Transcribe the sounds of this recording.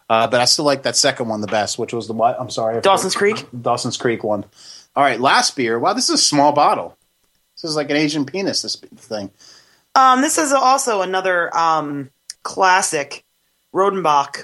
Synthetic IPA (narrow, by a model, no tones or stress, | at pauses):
ʌbʌɾaɪstɪlaɪk̚ðɨtsɛkn̩d̚wʌ̃nðəbɛst̚wət͡ʃwʌzðəwaɪãɪ̃msɑɹiɨd̥ɔsn̩skʰɹ̥ikdɔlˠsn̩z̥kʰɹ̥ikwʌ̃n | ʔɔlˠɹaɪtˡlæst̚b̥ɪɹwaʊðɪsɨzəsmɔlˠbɑɾl̩ˠ | ðɪsɨzlaɪk̬ɨ̃ñeɪʒɨ̃npʰĩnɨsðɪsθɪ̃ŋ | ʔʌ̃mðɪsɨzɔlˠsoʊənʌðə˞ʌ̃mʰ | l̥æsɪk | ɹoʊdⁿn̩bɑk